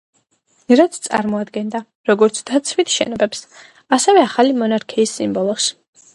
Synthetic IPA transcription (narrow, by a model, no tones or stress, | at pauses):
ɾat̪sʰt̪sʼa̰ɾmɔad̪ɡɛnd̪a | ɾɔɡɔɾt̪sʰd̪̥at̪sʰvit̪ʰʃɛ̰nɔbɛps | asɛvɛaχalimɔnaɾkʰiːsːimbɔlˠɔs